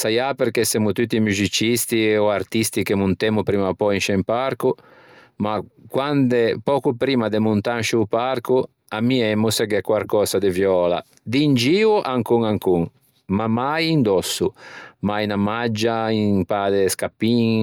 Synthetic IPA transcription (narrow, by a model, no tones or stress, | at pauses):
sajapeɾkesɛmut̪ut̪ːimuzit͡ʃist̪iɔart̪ist̪ikemunt̪ɛmupɾiːmapɔinʃɛmpaɾku | makwand̪epɔːkupɾiːmad̪emunt̪anʃuːpaɾku | amːiɛmːusɛɡɛkwaɾkɔːsad̪evjɔːla̰ | d̪ind͡ʒiːuʔaŋkuŋaŋkuŋ | mamajind̪ɔsːumajnamad͡ʒːaiŋpaːd̪eskapːiŋ